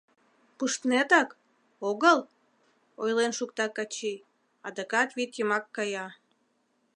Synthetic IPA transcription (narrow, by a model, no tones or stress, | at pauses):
puʃt̪net̪ɑk | oɣəl | ojlenʃukt̪ɑkɑt͡ɕi | ɑd̪əkɑt̪βit̪jəmɑkːɑjɑ